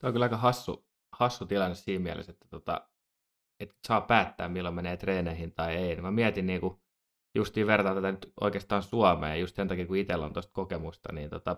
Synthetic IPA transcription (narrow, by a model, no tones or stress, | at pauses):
t̪olʲkylɑikɑhɑsːṵ | hɑsːut̪ilɑnːessiːmmiæ̰lḛset̪ːæ̥t̪ot̪ɑ̰ | et̪sɑːppæːt̪ːæ̰ːmmilːomeneːt̪reːneihint̪ɑieinemæmiæt̪inniːku | just̪iːʋert̪ɑːt̪æt̪ænyt̪ʔo̰ikeːst̪ɑːnsuɑmḛːjust̪sent̪ɑkiːkuit̪elːo̰nt̪ost̪̚kokemust̪ɑ̰niːnt̪o̰t̪ɑ